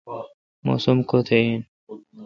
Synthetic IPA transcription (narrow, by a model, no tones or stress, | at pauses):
mo̰ːsumkot̪ʰein